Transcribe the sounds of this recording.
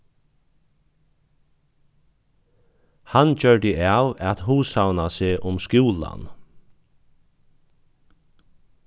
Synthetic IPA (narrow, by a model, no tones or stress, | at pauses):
hand͡ʒœɹɖ̪ɪʔaːwɛt̪huːsawnaseːʔʊmskjuːla̰n